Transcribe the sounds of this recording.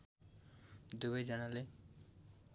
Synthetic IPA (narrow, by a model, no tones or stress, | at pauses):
d̪ubajzanale